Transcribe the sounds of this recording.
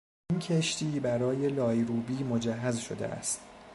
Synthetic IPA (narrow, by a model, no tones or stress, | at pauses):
incʰeʃt̪iːbæɾɒːje̞lɒːjɾuːbiːmod͡ʒæɦːæzʃo̞̰d̪ḛʔæ̰st̪